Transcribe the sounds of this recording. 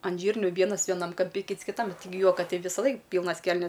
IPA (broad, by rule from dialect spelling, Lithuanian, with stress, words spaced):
ɐn ˈʒʲiːrʲnʲʊ ˈʋʲiɛnɐs ʋʲiɛˈnɐm kɐmʲˈpʲɪ ˈkʲiːts kʲɪˈtɐm tʲɪˈɡʲɪ ˈjuɔkɐ ˈtʲɛɪ ʋʲiːsɐˈlˠɐɪk ˈpʲiːlˠnɐs ˈkʲɛlʲnʲɛs